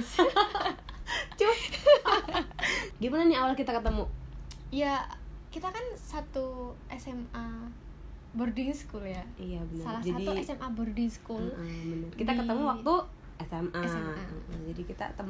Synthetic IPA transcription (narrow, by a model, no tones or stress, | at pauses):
t͡ʃʊ | ɡimananiawalkit̪akət̪əmujakit̪akansat̪uʔɛsɛma | bərdɪŋsə̥kuljaijabənsalahd͡ʒaadtiuɛsɛmʔabərdɪŋsə̥kuləbənərkit̪akəəmuwak̚t̪u | ɛsɛmasaəʔəd͡ʒadikit̪a̰t̪əm